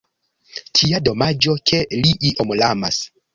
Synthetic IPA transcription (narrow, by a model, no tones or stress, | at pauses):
tʰiado̞mad͡ʒo̞kʰe̞liʔiʔomlama̰s